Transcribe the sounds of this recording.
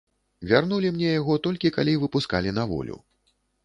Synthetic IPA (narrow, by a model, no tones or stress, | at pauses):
vʲarnulʲimnʲɛjaɣɔt̪ɔlʲkʲikalʲijvɨpuskalʲinavɔ̰lʲṵ